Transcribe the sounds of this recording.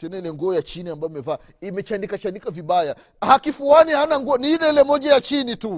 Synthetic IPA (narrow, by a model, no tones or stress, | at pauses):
tɛnailɛŋɡɔːjat͡ʃiniambajɔimɛvaː | imɛt͡ʃandikat͡ʃandikaviɓaja | hakifuanihanaŋɡɔɔniilɛɛlɛmɔʄajat͡ʃinitu